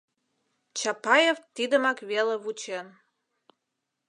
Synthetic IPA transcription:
t͡ɕɑpɑjeft̪id̪əmɑkβelĕβut͡ɕen

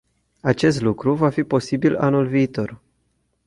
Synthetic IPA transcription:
at͡ʃe̞st̪lukɾuvafipo̞sibila̰nulviːt̪o̞r

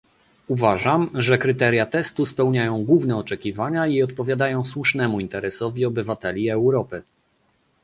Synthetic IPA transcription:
uvaʐamʐɛkɾɘt̪ɛɾʲjat̪ɛst̪uspɛwɲajɔ̃w̃ɡwuvnɛɔt͡ʂɛkʲivaɲaiɔt̪̚pɔvʲjad̪ajɔ̃w̃swuʂnɛmuint̪ɛɾɛsɔvʲiɔbɘvat̪ɛlʲiɛwɾɔpɘ

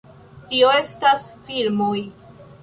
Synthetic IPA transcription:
tio̞e̞stasfilmoj

